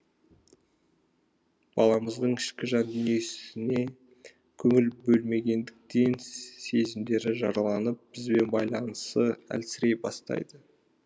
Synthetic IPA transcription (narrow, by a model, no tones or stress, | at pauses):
b̥ɑlˠɑməzd̪əɴɪʃkʲɪʒɑnd̪ʏne̞sɪɪne̞ | kʲʰɵŋɪlbɵlme̞ɡʲe̞nd̪ɪk̚t̪e̞nse̞zɪmd̪e̞ɾɪʒɑɾɑlˠɑnəp̚b̥ɪzbe̞nbɑjlˠɑnəst̪əæ̰lsɪɾe̞jbɑst̪ɑ̰jd̪ə